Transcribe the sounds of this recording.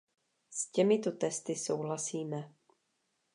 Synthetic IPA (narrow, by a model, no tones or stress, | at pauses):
scɛmɪt̪ot̪ɛst̪ɪsowɦlasiːmɛ